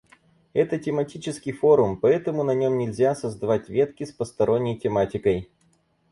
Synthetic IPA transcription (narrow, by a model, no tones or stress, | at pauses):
ɛt̪ətʲɪmɐtʲit͡ɕɪskʲɪjfo̞ɾʊmpɐɛt̪əmʊnɐnʲo̞mnʲɪlʲzʲasəzd̪ɐvatʲvʲe̞t̪kʲɪspəst̪ɐɾʔo̞nʲːəjtʲɪmatʲɪkəj